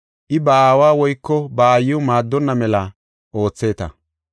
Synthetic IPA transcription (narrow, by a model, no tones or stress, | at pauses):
ʔɪbaːwaːwɔjkːɔbaːjːʊmaːd̪ːɔnːɐmɛlɐ | ʔo̞ːt͡sːe̞ːt̪ɐ̰